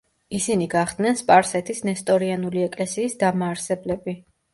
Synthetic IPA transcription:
isiniɡaχd̪nɛnspʼaɾsɛt̪ʰisnɛst̪ʼɔɾianuliɛkʼlɛsiːsd̪amaːɾsɛblɛbi

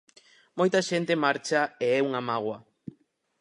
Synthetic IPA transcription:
mojt̪aʃent̪emaɾt͡ʃaeɛuŋamaɣ̞wa

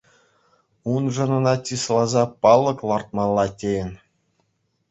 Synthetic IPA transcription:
unʐɤ̆nɤ̆nɑtʲislˠɑzɑpɑlˠːɤ̆klˠɑrt̪̚mɑlˠːɑtʲejɘ̆nʲ

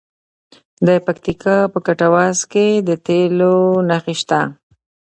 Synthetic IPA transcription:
d̪apak̚t̪ikʰapəkaʈawɑsked̪ət̪elonaxiʃt̪a

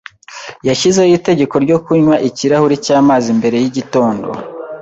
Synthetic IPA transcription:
jaʃizejite̞ɟe̞ko̞ɾɟo̞kuɲwaʔiciɾahuɾicaːmaːzimbe̞ɾe̞jiɟito̞ːndo̞̰

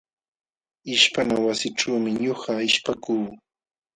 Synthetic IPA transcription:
ɪʃpanawasɪʈ͡ʂuːmɪɲohaɪʃpakuː

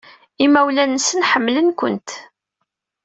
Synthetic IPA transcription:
imæwlænəsənħəmːlənkʷə̰nt̪

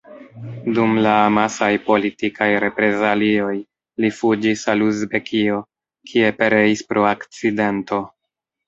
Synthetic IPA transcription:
dumlamasajpo̞litikʰajɾe̞pɾe̞zalio̞j | lifud͡ʒisaluzbe̞kʰio̞ | kʰie̞pe̞ɾe̞ispɾʔo̞akt͡side̞nto̞

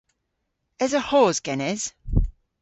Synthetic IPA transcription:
əzəhɔːzɡ̥ɛnɪz̥

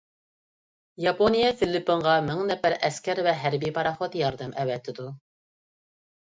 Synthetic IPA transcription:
jɑponijɛfɪlːɪpːɨŋʁɑmɪŋnɛpæɾʔɛskʲɛɾvɛɦæɾbijpʰɑɾɑχot̪jɑɾd̪ɛmʔɛvɛt̪ʰːɪd̪u

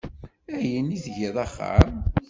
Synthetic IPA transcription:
æjənːiðʝiðˤɑχːɑ̰ɾ

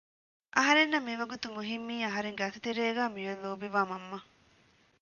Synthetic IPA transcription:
ʔɐɦɐɾenːɐmːiʋɐɡut̪umuɦimːiːɐɦɐɾeŋɡɐsit̪eɾeːɡaːmijonloːbiʋaːmɐmːɐ

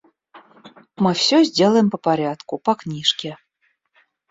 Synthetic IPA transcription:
mɨfsʲozʲdʲelˠəjɪmpəpɐɾʲat̪kupɐknʲiʂkʲe

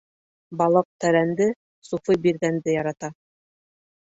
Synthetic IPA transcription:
bɑlˠɤq̚t̪æɾænd̪ɘ | sufɤbiɾɡænd̪ɘjɑɾɑt̪ɑ

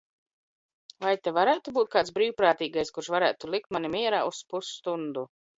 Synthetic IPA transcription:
vajt̪evaɾæːt̪ubuːt̪̚kaːt̪sbɾiːwpɾaːt̪iːɡajskuɾʃvaɾæːt̪ulˠik̚t̪manimʲiɛɾaːuspusːt̪und̪u

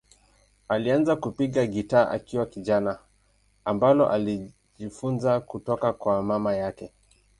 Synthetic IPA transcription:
alianzakupiɠaɠitaːʔa̰kiwakiʄana | ambalɔ̰ʔali | ʄifunzakutɔkakwamamajakɛ

